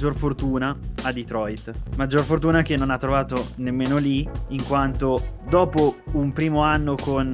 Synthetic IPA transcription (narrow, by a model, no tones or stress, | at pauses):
d͡ʒorfort̪uːnaad̪it̪ɾɔjt̪mad͡ʒːorfort̪uːnakenːonat̪ːɾovaːt̪onemːeːnoliiŋkwant̪od̪ɔːpoumpɾiːmoanːokʰon